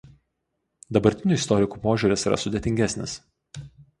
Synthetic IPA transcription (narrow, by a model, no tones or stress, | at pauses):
d̪ɐbɐɾʲt̪ʲɪnʲuːɪst̪ɔɾʲɪkuːpoːʒʲuɾʲɪsiːɾɐ̰sʊd̪ʲet̪ʲɪŋʲɡʲæsʲnʲɪs